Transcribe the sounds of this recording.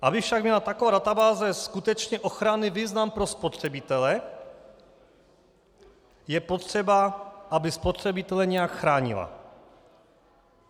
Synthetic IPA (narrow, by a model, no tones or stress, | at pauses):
ʔabɪfʃaɡ̚mɲɛlat̪akovaːdat̪abaːzɛskut̪ɛt͡ʃɲɛʔo̞xɾanɪviːznampɾo̞spo̞t̪r̝̥ɛbɪt̪ɛlɛ | jɛpot̪r̝̥ɛbaʔabɪspot̪rɛbɪt̪ɛlɛɲɛjakxɾaːɲɪ̰la̰